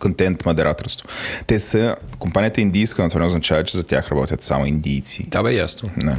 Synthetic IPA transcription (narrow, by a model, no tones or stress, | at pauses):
kont̪ɛnt̪mɐd̪ɛɾʔat̪oɾst̪o̥t̪ɛsəkompanijət̪əind̪ijskənot̪vaɾnʊznɐt͡ʃavət̪̚t͡ʃɛzɐt̪ʲa̰xɾɐbɔt̪ʲət̪sa̰moind̪ijt̪sḭt̪abɛja̰snonɛ